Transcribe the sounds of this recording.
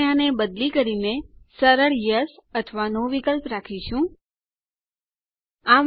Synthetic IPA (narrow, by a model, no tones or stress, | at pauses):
anebəd̪likəɾinesəɾəɭjəsət̪ʰəʋanõʋikəlpɾakʰiʃũ | am